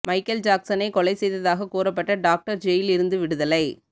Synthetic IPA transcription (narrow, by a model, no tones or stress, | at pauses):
mɐɪkːɐld͡ʒaːksɐnɐɪkɔɭɐɪsɛjðɐðaːɣɐkuːrɐp̬ːɐʈːɐɖaːk̚ʈɐɾd͡ʒɛjɪlɪɾɯnd̪ɯʋɪɽɯðɐlɐɪ